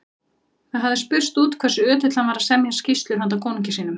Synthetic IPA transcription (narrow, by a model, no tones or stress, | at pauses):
θaðɦavðɪspʏr̥st̪uːt̪kʰv̥ɛrsʏœːt̪ʏt̪lanvaːɾasɛmjɛɾ̥scist̪lʏɾɦant̪̬akʰoːwniɲcɪsiːnʏm